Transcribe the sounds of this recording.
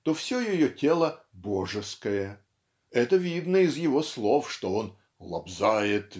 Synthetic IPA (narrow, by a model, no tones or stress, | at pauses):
t̪o̞fsʲojɪjotʲelˠə | boʐɨskəjə | ɛt̪əvʲid̪nəɪzjɪvo̞slˠo̞fʂt̪oon | lˠɐ̰bzajɪt̪